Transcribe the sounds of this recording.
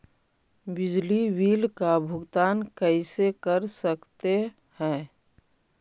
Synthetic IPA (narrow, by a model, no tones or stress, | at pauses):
bɪd͡ʒliwiːlkabʱʊɡt̪aːnkəɪsekəɾsəkt̪e | hɛ̃ː